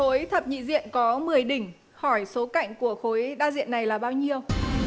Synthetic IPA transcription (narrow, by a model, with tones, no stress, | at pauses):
xo˨˦jt̪ʰə˨˩p̚ɲḭ˧˨zḭ˧˨ənkɔ˨˦mɨ˨˩əjɗï˧˩ŋ̟ | xɔ˧˩jso˨˦ka̰˧˨jŋ̟ku˧˩əxo˨˦jɗaː˧zḭ˧˨ənːa˨˩jlaː˨˩ɓaː˧wɲi˧əw